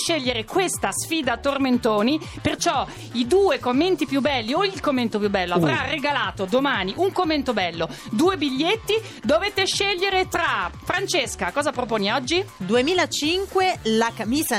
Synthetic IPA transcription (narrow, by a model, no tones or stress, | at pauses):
ʃeʎːeɾekwest̪asfiːd̪at̪orment̪oːnipert͡ʃɔ | id̪uːekomːent̪ipjubːɛlːioilkomːent̪opjubːɛlːoavɾarːeɡalaːt̪od̪omaːniʔuŋkomːent̪obɛlːod̪uːebiʎːet̪ːi | d̪ovet̪eʃːeʎːeɾet̪ɾafɾant͡ʃeskakɔːzapɾopoːniɔd͡ʒːid̪uemiːlat͡ʃiŋkwelakamiːza